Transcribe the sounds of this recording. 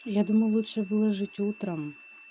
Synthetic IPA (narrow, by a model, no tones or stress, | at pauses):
jad̪umɐjulˠutʂɛvɨlˠɐʐɨtʲut̪ɾɐm